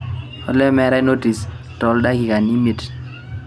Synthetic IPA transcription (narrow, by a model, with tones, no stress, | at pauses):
ɔ̰˨lɛ˦mɛ˨ɾɛ˦no˦ti˨s | tɔ˨lda˦ki˨ka˨ni˦mi˨t